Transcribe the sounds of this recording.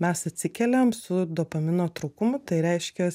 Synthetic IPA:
mʲɛsɐt̪ʲsʲɪkʲɛlʲɛmsʊd̪oːpɐmʲɪnoːt̪ɾɐʊkʊmʊt̪ɐɪɾʲɛɪʃʲkʲɛ

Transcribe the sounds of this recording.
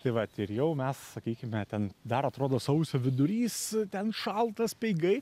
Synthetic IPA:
t̪ɐɪʋɐt̪ɪɾjɛʊmʲɛssɐkʲiːkʲɪmʲɛt̪ʲɛnd̪ɐɾɐt̪ɾoːd̪oːsɐʊsʲoːʋʲɪd̪ʊɾʲiːst̪ʲɛnʃɐlˠt̪ɐspʲɛɪɡɐɪ

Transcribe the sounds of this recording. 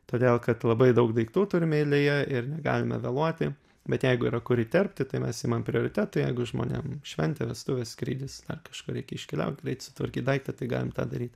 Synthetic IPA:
t̪oːd̪ʲeːlˠkɐt̪lˠɐbɐɪd̪ɐʊkd̪ɐɪkt̪uːt̪ʊɾʲɪmʲɛɪlʲɪjɛɪrnʲɛɡɑ̰ːlʲɪmɛ̰ʋʲɛlˠuɔt̪ʲɪ | bʲɛt̪jɛɪɡʊiːɾɐkʊɾʲɪt̪ʲɛrʲpʲt̪ʲɪt̪ɐɪmʲɛsɪmɐmpʲɾʲɪoːɾʲɪt̪ʲæt̪ʊjɛɪɡʊʒmo̰ːnʲḛmʃʲʋʲɛnʲt̪ʲɛʋʲɛst̪ʊʋʲeːskɾʲiːd̪ʲɪsd̪ɐ̰rkɐʃkuːɾʲɛɪkʲɛɪʃʲkʲɪlʲɛ̰ʊt̪ʲɡɾʲɛɪtsʊ̥t̪ʋɐɾʲkʲiːt̪d̪ɐɪkt̪ɐt̪ɐɪɡɑ̰ːlʲɪmt̪ɑ̰ːd̪ɐɾʲiːt̪

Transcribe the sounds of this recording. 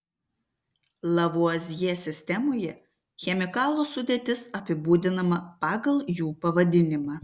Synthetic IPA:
lˠɐʋuɔzʲjeːsʲɪsʲt̪ʲɛmoːjɛ | xʲɛmʲɪkɑːlˠuːsʊd̪ʲeːt̪ʲɪsɐpʲɪbuːd̪ʲɪnɐmɐpɑːɡɐlˠjuːpɐʋɐd̪ʲɪnʲɪmɑː

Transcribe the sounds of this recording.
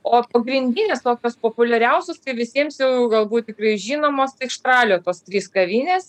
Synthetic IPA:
oːpɐɡɾʲɪnʲd̪ʲinʲɪst̪oːkʲoːspoːpʊlʲɛɾʲɛʊsʲʊst̪ɐɪʋʲɪsʲiɛmsjɛʊɡɐlˠbuːt̪̚t̪ʲɪkɾɐɪʒʲiːnoːmoːst̪ɐɪɪkʃt̪rɑːlʲoːt̪oːst̪ʲɾʲiːskɐʋʲiːnʲeːs

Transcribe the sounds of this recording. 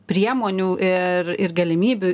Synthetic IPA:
pʲɾʲiɛmoːnʲuːʔɪrɪrɡɐlʲɪmʲiːbʲu

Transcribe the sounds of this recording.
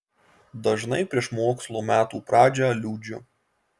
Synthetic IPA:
d̪ɐʒnɐɪpʲɾʲiɛʃmoːkslˠoːmʲæːt̪uːpɾɑːd͡ʒʲɛɐlʲuːd͡ʒʲʊ

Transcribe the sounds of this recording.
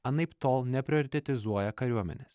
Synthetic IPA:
ɐnɐɪpt̪oːlˠnʲɛpʲɾʲɪɔɾʲɪt̪ʲɛt̪ʲɪzuɔjɛkɐɾʲuɔmʲɛ̰nʲeːs

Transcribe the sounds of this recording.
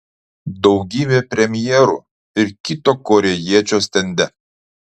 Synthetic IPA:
d̪ɔʊɡʲiːbʲepʲɾʲɛmʲjɛːɾṵːˑ | ɪɾkʲit̪okɔɾʲɛjiɛt͡ʃʲoːsʲt̪ʲɛnʲd̪ʲɛ

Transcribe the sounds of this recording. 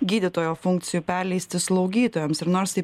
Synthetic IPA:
ɡʲiːd̪ʲɪt̪oːjoːfʊŋk̚t̪sʲɪjuːpʲæɾʲlʲɛɪsʲt̪ʲɪslˠɐʊɡʲiːt̪oːjɛmsɪɾnoːɾsɪ

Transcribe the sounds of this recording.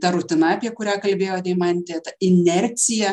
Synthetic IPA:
t̪ɐɾʊt̪ʲɪnɐɐpʲiɛkʊɾʲæːkɐlʲbʲeːjoːt̪ʲɛɪmɐnʲt̪ʲet̪ɐɪnʲɛɾʲt̪sʲɪjɛ

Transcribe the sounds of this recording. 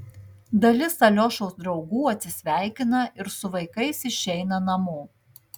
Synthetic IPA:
d̪ɐlʲɪsɐlʲoːʃoʊsd̪ɾɒʊɡuːɐt̪ʲsʲɪsʲʋʲæˑɪkʲɪnɐʔɪɾsʊʋɐɪkɐɪsɪʃʲɛɪnɐnɐmuː

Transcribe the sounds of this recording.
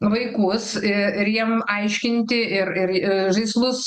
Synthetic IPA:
ʋɐɪkʊsɪɪɾjiɛmɐɪʃʲkʲɪnʲt̪ʲɪʔɪɾɪɾɪʒɐɪslˠʊs

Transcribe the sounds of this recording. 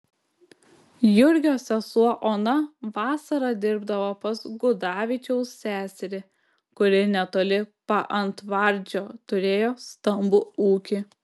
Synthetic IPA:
jʊɾʲɡʲoːsʲɛsuɔʔoːnɐʋɑːsɐɾɐd̪ʲɪɾbd̪ɐʋopɐsɡʊd̪ɑːʋʲɪt͡ʃʲɛʊssʲæːsʲɛɾʲɪ | kʊɾʲɪnʲɛt̪oːlʲɪpɐʔɐnt̪ʋɐɾʲˑd͡ʒʲoːt̪ʊɾʲeːjoːst̪ɐmbʊuːkʲɪ

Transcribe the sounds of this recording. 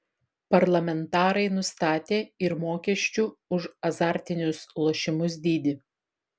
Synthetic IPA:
pɐɾlˠɐmʲɛnt̪ɑːɾɐɪnʊst̪ɑːt̪ʲeːɪɾmoːkʲɛʃʲt͡ʃʲuːʊʃɐzɑːɾʲt̪ʲɪnʲʊslˠoːʃʲɪmʊs̬d̪ʲiːd̪ʲɪ

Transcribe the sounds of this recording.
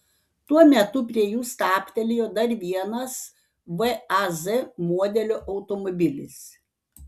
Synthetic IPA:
t̪uɔmʲɛt̪ʊp̬ʲɾʲiɛjuːst̪ɑːpʲt̪ʲɛlʲejoːd̪ɐɾʋʲiɛnɐs | ʋɛɐzɛmuɔd̪ʲɛlʲoːʔɐʊt̪ɔmɔbʲɪlʲɪ̰s

